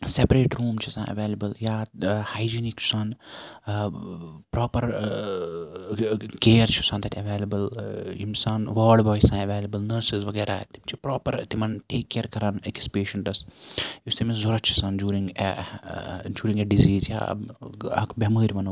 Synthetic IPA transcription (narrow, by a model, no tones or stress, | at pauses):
sepɾeːʈɾuːmt͡ʃʰusã̰nɐ̰ʋeːlɐbəljaːhajd͡ʒinikt͡ʃʰu̥san | pɾɔːpɐɾ | keːɾt͡ʃʰu̥sɐ̃nd̪ɐt̪ʰɐʋeːlɐbɐlimsaːnʋəːlɖbɔːjsɐ̃ːnɐʋeːlɐbəlnəɾsizʋɐɡeːɾaːt̪imt͡ʃʰipɾɔːpɐɾt̪imɐnʈeːkːeːɾkɐɾaːnekspeːʃɐ̃ɳʈɐsjust̪ʰimezuɾɐt͡ʃʰu̥sɐ̃ːnd͡ʒuːɾiŋɡ | d͡ʒuːɾĩŋɡeɖiziːzja̰ː | ɐ̰kbeməːɾʲʋɐnoː